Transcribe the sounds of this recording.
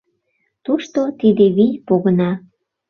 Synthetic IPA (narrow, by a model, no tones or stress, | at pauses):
t̪uʃt̪ot̪id̪eβijpoɣənɑ